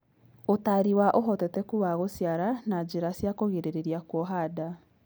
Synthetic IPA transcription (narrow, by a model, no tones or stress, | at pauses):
otaɾiwaʔoɦɔtɛtɛkuβaɣosiaɾanad͡ʑeɾasjakoɣeɾeɾeɾiakwɔɦaːda